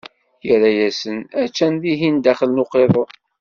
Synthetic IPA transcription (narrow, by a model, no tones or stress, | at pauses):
jəɾæjæsənæt͡ʃːænðiɦind̪æχəlnuqeðˤo